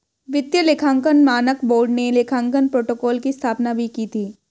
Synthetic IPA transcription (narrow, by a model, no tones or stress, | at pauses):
ʋɪt̪jəleːkʰãːŋkənmaːnəkboːɾɖneleːkʰãːŋkənpɾoːʈoːkɔːlkist̪ʰaːpnabʱikiːt̪ʰiː